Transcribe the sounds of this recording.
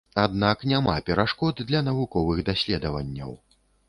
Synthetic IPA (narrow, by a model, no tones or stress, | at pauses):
ad̪naknʲamapʲɛɾaʂkɔd̪d̪lʲɐnɐvukɔvɨɣd̪asʲlʲɛd̪ɐvɐ̰nʲːɐ̰w